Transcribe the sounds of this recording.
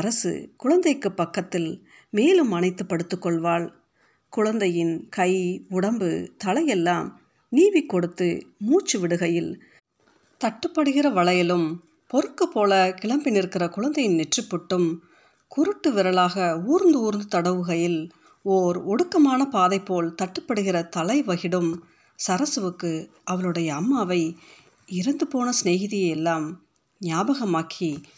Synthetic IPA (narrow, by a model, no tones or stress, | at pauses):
ɐɾɐsɯ̰kʊɻɐnd̪ɐɪkːɯpːɐkːɐt̪ːɪl | meːlɯmɐnɐɪt̪ːɯpːɐɽɯt̪ːɯkːɔɭʋaːɭ | kʊɻɐnd̪ɐjɪnkɐɪʊɽɐmbɯ̰t̪ɐlɐjɛlːaːm | niːʋɪkːɔɽɯt̪ːɯ̰muːt͡ʃːɯʋɪɽɯɣɐjɪl | t̪ɐʈːɯpːɐɽɯɣɪrɐʋɐɭɐjɪlɯm | pɔɾɯkːɯpːoːlɐkɪɭɐmbɪnɪɾɯkːɪrɐkʊɻɐnd̪ɐjɪnnɛʈrɪpːʊʈːɯm | kʊɾɯʈːɯʋɪɾɐɭaːɣɐuːɾnd̪ɯuːɾnd̪ɯt̪ɐɽɐʋɯɣɐjɪl | ɔːɾɔɽɯkːɐmaːnɐpaːðɐɪpːoːlt̪ɐʈːɯpːɐɽɯɣɪrɐt̪ɐlɐɪʋɐɣɪɽɯm | sɐɾɐsɯʋɯkːɯ | ʔɐʋɐɭɯɽɐjɐːmːaːʋɐɪ | ɪɾɐnd̪ɯpoːnɐsneːɣɪðɪjɐjɛlːaːm | njaːbɐɣɐmaːkʰi